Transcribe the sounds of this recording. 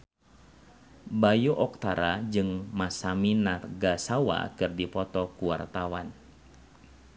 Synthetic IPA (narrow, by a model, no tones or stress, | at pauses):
bajuʔɔk̚t̪aɾad͡ʒɨŋmasaminarɡasawa̰kɨrdipɔt̪ɔkuwart̪awan